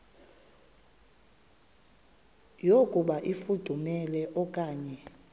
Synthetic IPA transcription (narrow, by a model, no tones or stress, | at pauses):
jokʼuɓaʔifud̥ʱumɛlɛʔɔkʼaːɲɛ